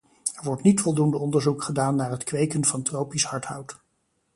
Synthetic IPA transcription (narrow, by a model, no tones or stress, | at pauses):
ɛɹʋɔɹtnitfɔlˠdundəɔndəɹzukχədaːnːaːɹɦətkʋejkənvɑntrowpisɦɑɹtɦʌwt